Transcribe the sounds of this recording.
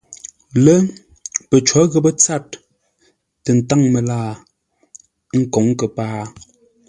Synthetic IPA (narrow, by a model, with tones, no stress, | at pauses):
lə˦ | pə˨t͡ʃɔ˨˦ɣə˦bə˦t͡sa˦˨t̚ː | ə˨n̩˨ta˦˨ŋmə˨laː˦˨˦ | ŋ̩˦kɔ˨˦ŋ˦kə˨paː˦